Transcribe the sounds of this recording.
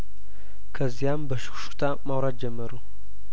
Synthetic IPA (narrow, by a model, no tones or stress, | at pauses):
kʰəzijambəʃɨ̥xʃu̥t̪ʰamawɾad̪̚d͡ʒɛmːəɾu